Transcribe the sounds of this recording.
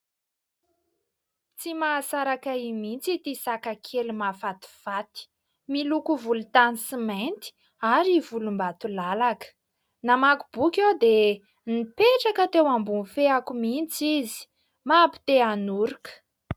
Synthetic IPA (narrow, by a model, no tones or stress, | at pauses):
t͡simasaɾakaimint͡sit̪isakakʰelumafat̪i̥fat̪i̥ | milukuvulut̪anisiment̪i̥ | aɾivulumbat̪ulalakə̥ | namakub̥ukʲewd̪e | nipeʈ͡ʂakət̪ewambunfeakumint͡sizi̥ | mapi̥t̪eanuɾukə̥